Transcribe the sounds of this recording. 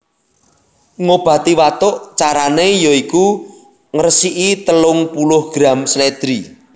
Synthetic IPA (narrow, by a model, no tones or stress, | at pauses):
ŋob̥ä̤t̪iwat̪ʊʔt͡ʃaɾanejoiku | ŋəɾsiʔit̪əlʊŋpulʊhɡ̥ɾamsled̪̥ɾi